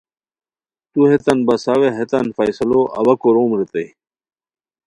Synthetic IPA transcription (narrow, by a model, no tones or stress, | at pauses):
t̪uhet̪ɐnbɐsaːweɦet̪ɐnfɐjsɐloʔɐ̰wɐkoɾoːmɾit̪ɐj